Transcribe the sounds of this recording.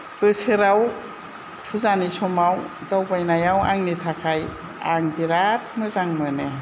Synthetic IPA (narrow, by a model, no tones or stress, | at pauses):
b̥ɯsɯɾaw | pʰuzanisɔmawdawbajnajawaŋnitʰakʰaj | a̰ŋbiɾat̚mɯzaŋmɯne